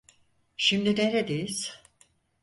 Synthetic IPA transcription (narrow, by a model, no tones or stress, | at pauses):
ʃimd̪ineɾed̪ejiz̥